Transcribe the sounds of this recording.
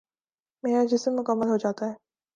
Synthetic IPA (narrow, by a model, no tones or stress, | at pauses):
meːɾad͡ʒɪsəmːʊkəmːəlɦod͡ʒaːt̪aɦɛː